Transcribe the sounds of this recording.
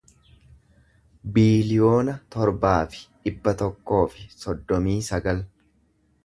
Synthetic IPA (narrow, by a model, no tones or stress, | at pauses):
biːlɪjo̞ːnɐt̪ɔɾbaːfɪ̥ᶑɪbːɐt̪ɔkːo̞ːfɪsɔd̪ːɔmiːsɐɡɐl